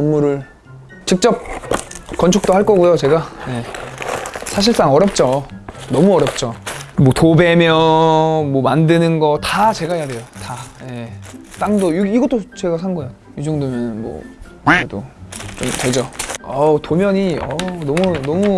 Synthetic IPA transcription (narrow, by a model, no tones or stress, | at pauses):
ʌnmuɾɯɭ | t͡ɕik̚t͡ɕ͈ʌp̚kʌnt͡ɕʰuk̚t͈oɦaɭk͈ʌɡujot͡ɕe̞ɡaje̞ | sʰaɕ̬ʰiɭs͈aŋʌɾjʌp̚t͡ɕ͈onʌmuʌɾjʌp̚t͡ɕ͈omwʌtobe̞mjʌmwʌmandɯnɯnɡʌtat͡ɕe̞ɡaɦejade̞jotaje̞t͈aŋdoiiɡʌt͈ot͡ɕe̞ɡasʰanɡʌejo | jid͡ʑʌŋdomjʌnɯnmwʌ̰ | edo̰t͡ɕomted͡ʑʌʌtomjʌɲiʌnʌmunʌmu